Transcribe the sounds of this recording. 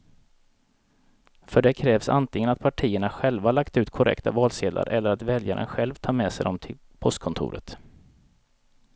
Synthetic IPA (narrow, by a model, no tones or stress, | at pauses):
fœɖɛkʰɾɛːvsa̰nt̪lɪŋənat̪̚pʰaʈʰiːəɳaɧɛlvaɭakt̪ʉ̟ːt̪kʰɔɾʔɛ̰kt̪avɑːlseːd̪la̰ɾʔɛlːəɾat̪vɛlja̰ɾə̰nɧɛlvt̪ʰɑːɾmɛːsɛjd̪ɔmt̪ʰɪl | pʰɔst̪̚kʰɔnt̪ʰʊ̰ːɾə̰t̪